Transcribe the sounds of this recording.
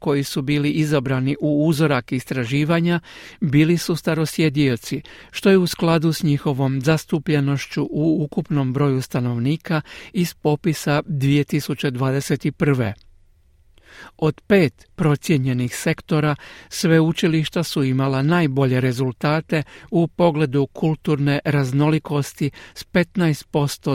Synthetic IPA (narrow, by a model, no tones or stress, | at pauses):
ko̞jisubiːliʔizabɾaniʔuuzoɾakist̪ɾaʒiːʋaɲabiːlisust̪aɾo̞sje̞d̪io̞t̪siʃt̪o̞jeusklad̪usɲixo̞ʋo̞mzast̪upʎe̞no̞ʃt͡ɕuʔuukupno̞mbɾo̞ːjust̪ano̞ʋniːkaiz̥po̞pisad̪ʋije̞t̪isut͡ɕe̞d̪ʋaːd̪e̞se̞t̪ipr̩ʋḛ | o̞d̪pe̞ːt̪pɾo̞t̪sje̞ɲe̞nixse̞kt̪o̞ɾasʋeut͡ʃiliʃt̪asuimalanaːjbo̞ʎe̞ɾe̞zulˠt̪aːt̪e̞upo̞ɡle̞d̪ukʰulˠt̪uɾne̞ɾazno̞liko̞st̪ispe̞t̪najst̪̚po̞st̪o̞